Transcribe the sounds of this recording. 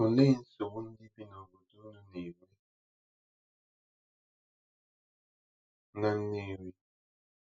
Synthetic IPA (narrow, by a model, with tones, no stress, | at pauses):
o˨le˦n̩˦so˨wu˦n̩˦di˦bi˦nɔ˨bə˨du˦nə˦ne˨me˦ | ŋ˦a˦ne˦˨wi˦